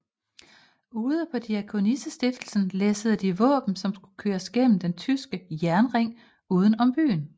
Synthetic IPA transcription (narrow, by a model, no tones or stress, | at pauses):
uːð̞ˠəpʰɒ̽d̥iækʰo̝nisəsd̥ifd̥l̩sn̩leːsəð̞̩ˠd̥iʋɔ̰̽ːb̥n̩sɒ̽msɡ̥u̥kʰøːɐsɡ̥en̰m̩d̥ent͡sʰysɡ̥əjæɐnʁeŋ̰ | uːð̞ˠn̩ɒ̽mb̥y̰ːn